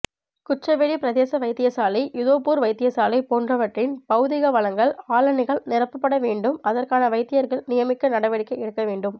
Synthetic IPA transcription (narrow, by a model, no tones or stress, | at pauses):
kʊʈrɐʋeɭipɪɾɐðeːsɐʋɐɪt̪ːɪjɐsaːlɐɪjʊðoːpuːɾʋɐɪt̪ːɪjɐsaːlɐɪpoːndrɐʋɐʈrɪnpɐɣɯðɪɣɐʋɐɭɐŋɡɐɭaːlɐnɪɣɐɭnɪɾɐpːɯpːɐɽɐʋeːɳɖɯmɐðɐrkaːnɐʋɐɪt̪ːɪjɐɾɣɐɭnɪjɐmɪkːɐnɐɽɐʋɐɽɪkːɐɪɛɽɯkːɐʋeːɳɖɯm